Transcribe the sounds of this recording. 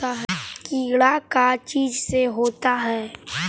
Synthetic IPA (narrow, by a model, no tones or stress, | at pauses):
aɦɛkiːɽakat͡ʃiːd͡ʒseɦoːt̪aɦɛː